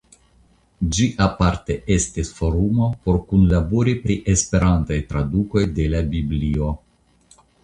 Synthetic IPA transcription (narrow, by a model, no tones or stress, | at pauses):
d͡ʒiʔapaɾte̞ʔe̞stisfo̞ɾumo̞po̞ɾkunlaboɾipɾiʔe̞spe̞ɾantajtɾaduko̞jde̞labiblio̞